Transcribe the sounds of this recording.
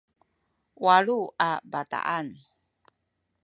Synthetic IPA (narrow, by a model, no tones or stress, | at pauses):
waɺuabata̰ʔan